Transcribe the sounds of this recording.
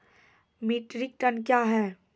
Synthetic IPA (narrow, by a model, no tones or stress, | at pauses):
miːʈɾik̚ʈənkjaːɦɛː